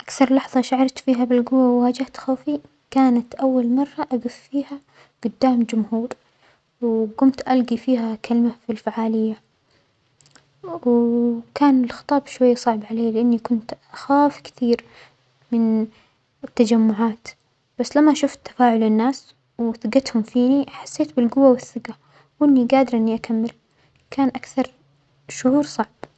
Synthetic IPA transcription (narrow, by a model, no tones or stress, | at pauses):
ʔakθɑɾˤlɑħðˤɑʃaʕɑɾˤt̪fiːɦabɪlɡʊwːawwaːd͡ʒɪht̪xaːfi | kaːnat̪ʔawːalmɑrˤːɑʔad̪ʊffiːha | ɡ̥ʊd̪ːaːmd͡ʒʊmhuːɾ | wɡʊmt̪ʔalɡifiːhakalmafilfaʕaːlɪjːa | wkaːnɪlxɨ̥t̪ˤɑːbʃwajːasˤɑʕbʕaleːlɪʔanːikʊnt̪ʔaxaːfkɪ̥t̪iːɾ | mɪn | ɪt̪ːad͡ʒamːʊʕaːt̪ | b̥asːlamːaʃʊft̪ːḁfaːʕʊlɪnːaːs | wθɪɡɪt̪hʊmfiːniħḁsːeːt̪bɪlɡʊwːawɪθːɪɡa | wʔɪnːiɡaːd̪ɪɾˤʔɪnːiʔakamːɪl | kʰaːnʔakθɑɾˤ | ʃʊʕuːɾsˤɑʕb̥